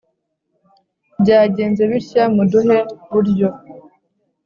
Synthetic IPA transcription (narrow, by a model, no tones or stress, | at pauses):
bɟaːɟe̞ːnze̞βiɾçamuduheβuɾɟo